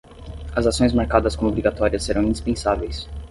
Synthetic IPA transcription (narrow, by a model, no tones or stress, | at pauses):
ɐzasõj̃zmaɾkad̪ɐskõmobɾiɡat̪ɔɾiɐseɾɐ̃w̃ĩnd̪ispẽsavejs